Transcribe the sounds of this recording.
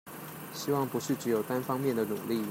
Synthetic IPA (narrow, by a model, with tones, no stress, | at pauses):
ɕi˥wɑ˥˨ŋpu˧˦˥ʂɻ̩˥˩ʈ͡ʂɻ̩˧˥jo˨˩ʊt̪a˦nfɑ˥ŋmjɛ˥˩nd̪ə˩nṵ˨˩li˥˨